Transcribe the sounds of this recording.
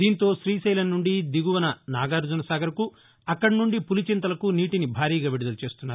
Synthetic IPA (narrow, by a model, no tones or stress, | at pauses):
d̪iːnt̪o̞ːʃɾiːsɐjlɐnːuɳɖid̪iɡuʋɐnɐnaːɡaːɾd͡ʒunɐsaːɡɐɾɐku | ɐkːɐɽinuɳɖipulit͡ʃint̪ɐlɐkuniːʈinibʱaːɾiːɡaːʋeɽud̪ɐlut͡ʃe̞ːst̪unːaːɾ